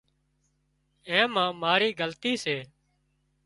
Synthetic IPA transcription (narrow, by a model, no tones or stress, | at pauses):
ẽːmãːmaːɾiːɡəlt̪iːseː